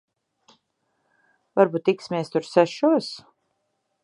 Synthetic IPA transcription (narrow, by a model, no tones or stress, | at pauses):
vaɾbuːt̪ːiksʲmʲeɛst̪uɾsæʃuɔs